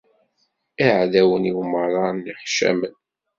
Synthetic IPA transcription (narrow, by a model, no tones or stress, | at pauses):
iʕðæwəniwməɾˤɑnːiħʃæ̰mən